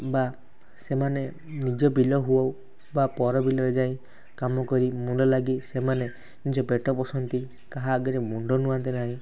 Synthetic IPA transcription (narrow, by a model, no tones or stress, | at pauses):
ba | semane | nid͡ʒɔbilɔɦuɔw | bapɔɾɔbilɔɾed͡ʒaĩ | kamɔkɔɾimuɳɖɔlaɡisemane | nid͡ʒɔbeʈɔpɔsɔnt̪i | kaɦaːɡɔɾemuɳɖɔnuant̪inaɦĩ